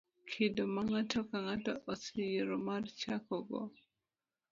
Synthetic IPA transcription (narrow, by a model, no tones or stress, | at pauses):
kʰɪdɔmaŋatʰɔkaŋatɔʔɔsijeɾɔmart͡ʃakɔɡɔ̰